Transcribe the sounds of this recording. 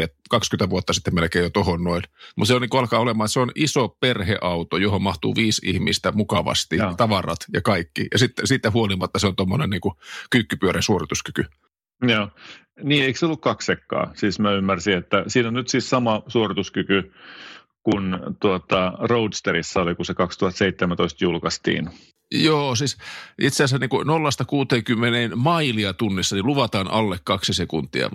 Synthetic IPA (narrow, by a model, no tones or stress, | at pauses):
etkɑkskynt̪æʋuot̪ːɑsit̪ːemelkeːjot̪ohonnoinmut̪seoniŋkuɑlkɑːolemɑːseonisoperhḛʔɑut̪ojohommɑht̪ṵːʋiːsḭhmḭst̪æmukɑʋɑ̰st̪it̪ɑʋɑrɑ̰t̪jɑkɑikːḭjɑ̰sit̪ːesiːt̪ːæhuolimɑt̪ːɑseont̪omːonenniːŋkukykːypyøɾensuorit̪uskyky | joː | niːeikseolːukkɑksekːɑ̰ːsiːsmæymːærsiet̪ːæsiːnonnyt̪siːssɑmɑsuorit̪uskyky | kunt̪uot̪ɑroud̪st̪eɾisːɑolikusekɑkst̪uhɑt̪seit̪ːemæt̪oist̪julkɑst̪ḭːn | joːsiːsʔit̪seɑsæniːŋkunolːɑst̪ɑkuːt̪eːŋkymːeneːnmɑiliɑt̪unːisːɑniluʋɑt̪ɑːnʔɑ̰lːekkɑksisekunt̪ːˑḭɑ̰